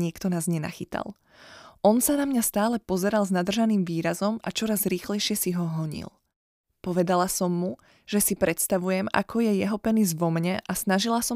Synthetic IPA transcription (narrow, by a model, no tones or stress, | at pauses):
ɲɪɛkt̪ɔnaːzɲɛna̰xit̪a̰lˠ | ʔɔnsanamɲast̪aːlɛpɔzɛɾalznad̪r̩ʒaniːmʋiːɾazɔma̰t͡ʃɔɾazɾiːxlɛjʃɪɛsiɦɔɦɔɲḭlˠ | pɔʋɛd̪alasɔmːu | ʒ̥ɛsipɾɛt̪st̪aʋujɛma̰kʰɔjɛjɛɦɔpɛnizʋɔmɲɛʔasnaʒilasɔ